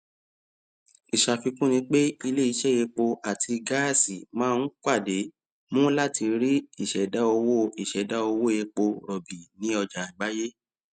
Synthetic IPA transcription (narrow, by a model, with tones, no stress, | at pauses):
i˨ʃa˨fi˧kũ˦nĩ˧k͡pe˦i˧le˦˨i˧ʃɛ˦˨je˧k͡po˧ʔa˨tʰi˧ɡa˦˨si˨mãː˦˧n̩˦k͡pa˦˨de˨˦ | mũ˦la˦˨ti˧ɾi˦i˦˨ʃɛ˨da˨˦o˧wo˦˨i˦˨ʃɛ˨da˨˦o˧wo˦˨je˧k͡po˧ɾɔ˨bi˨nĩ˨˦ɔ˧d͡ʒa˨i˨ɡ͡ba˦je˦